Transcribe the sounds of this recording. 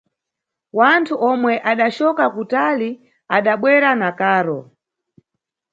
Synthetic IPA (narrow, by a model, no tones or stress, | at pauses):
wantʰuʔɔmwɛʔaɗat͡ʃɔkakutali | aɗaɓwɛɾanakaːɾɔ